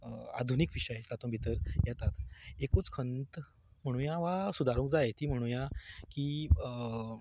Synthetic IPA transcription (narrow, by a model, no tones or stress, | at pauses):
a̰d̪ʱunikʋiɕəjt̪at̪õbʱit̪əɾjat̪at̪ekot͡skʰənt̪ | m̤əɽ̃ũjaʋasud̪ʱaɾũŋk̚d͡zajet̪iːm̤əɽ̃ũjakiː